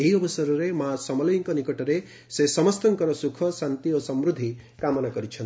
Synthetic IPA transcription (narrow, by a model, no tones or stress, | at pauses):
eɦiɔbɔsaɾɔɾemasɔmɔlɔjɔŋkɔnikɔʈɔɾe | sesɔmɔst̪ɔŋkɔɾɔsukʰɔsant̪iosɔmɾud̪ʱːi | kamɔnakɔɾit͡ʃʰɔni